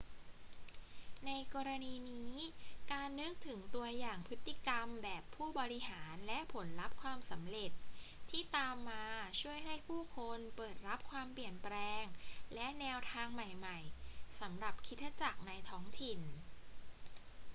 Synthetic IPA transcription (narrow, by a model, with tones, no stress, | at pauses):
na˧jkɔː˧ɾa˧niː˧niː˦˥kaː˧nːɯ˦˥k̚t̪ʰɯ˩˦ŋt̪u˧ɐjaː˨˩ŋpʰɯ˦˥t̪ːi˧˩ka˧mbɛː˨˩pʰːuː˥˩bɔː˧ɾi˦˥ɦaː˩˦nlɛ˦˥ʔpʰo˩˦nɾa˦˥p̚kʰwaː˧msa˩˦mɾe˨˩t̪̚ʰːiː˥˩t̪aː˧mːaː˧t͡ɕʰu˥˩əjɦa˥˩jpʰuː˥˩kʰo˧npɤː˨˩t̪̚ɾa˦˥p̚kʰwaː˧mpli˨˩ənpɾɛː˧ŋlɛ˦˥ʔnɛː˧wt̪ʰaː˧ŋma˨˩jma˨˩jsa˩˦mɾa˨˩p̚kʰi˦˥t̪̚ʰːa˧t͡ɕa˨˩k̚na˧jt̪ʰɔː˦˥ŋt̪ʰi˨˩n